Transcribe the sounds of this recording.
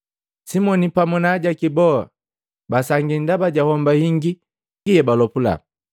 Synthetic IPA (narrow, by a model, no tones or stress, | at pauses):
simɔnipamɔnaɟakibɔa̰ | basaŋɡindabaɟahɔmbahiŋɡi | ɡijɛbalɔpula̰